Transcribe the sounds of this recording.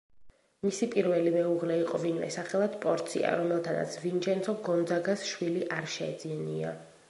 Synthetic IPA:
misipʼiɾvɛlimɛuʁlɛiqʼɔvinmɛ̰saχɛlˠad̪pʼɔɾt̪sʰḭa̰ɾɔmɛlˠt̪ʰana̰t̪sʰvind͡ʒʰɛnsʰɔɡɔnd̪zaɡasʃwiliʔaɾʃɛɛ̰d̪ziania

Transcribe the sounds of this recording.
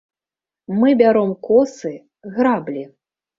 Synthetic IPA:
mɨbʲaɾɔmkɔsɨ | ɣɾablʲi

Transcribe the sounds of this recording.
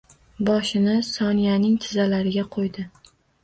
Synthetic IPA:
bɒʃɪnɪsɒnijanɪŋt̪ʰɪzalaɾɪɡʲaqʰojd̪ɪ

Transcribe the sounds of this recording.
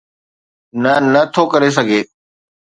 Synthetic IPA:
nənət̪ʰokəɾes̬əɡʱeː

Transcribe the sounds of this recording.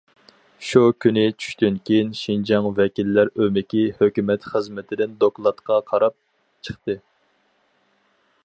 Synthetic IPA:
ʃukʲʰynɪt͡ʃʰy̥ʃt̪ynkʲʰijinʃind͡ʒɑŋvɛkʲilːæɾømɪkʲihøkʲymɛt̪χəzmɪt̪ʰɪd̪ɪnd̪oklˠɑt̪qʰɑqʰɑɾɑp̚ | t͡ʃʰə̥χt̪ɨ

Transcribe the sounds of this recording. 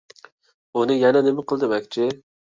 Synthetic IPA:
unɨjɛnɛnɪmɪqʰəlˠd̪ɪmɛkʲt͡ʃʰɪ

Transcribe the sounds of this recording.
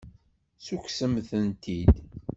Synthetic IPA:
suksəmθənt̪ʰid̪

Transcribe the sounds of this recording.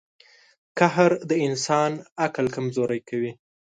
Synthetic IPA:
kahaɾd̪əɪnsɑnaklkamzoɾajkawi

